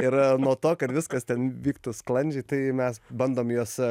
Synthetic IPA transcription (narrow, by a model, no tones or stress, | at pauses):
ɪɾnuɔt̪oːkɐt̪ʋʲɪskɐst̪ʲɛnʋʲiːkt̪uːsklˠɐnʲd͡ʒʲɛɪt̪ɐɪmʲɛsbɐnd̪oːmjoːs